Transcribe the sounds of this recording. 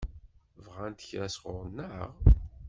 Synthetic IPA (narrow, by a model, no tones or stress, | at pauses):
vʁænt̪əçɾæsʁʊɾˤnːəʁ